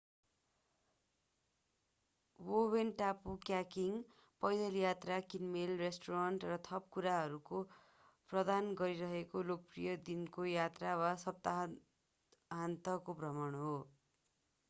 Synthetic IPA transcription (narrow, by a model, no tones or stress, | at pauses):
wowenʈapukjakiŋ | pʌjd̪ʌljat̪rakinmelresʈoɾaɳʈrʌt̪ʰʌp̚kuɾaɦʌɾuko | prʌd̪anɡʌɾiɾʌɦekolok̚prijʌd̪inkojat̪rawasʌp̚t̪a | ɦant̪ʌkoprʌmʌɳɦo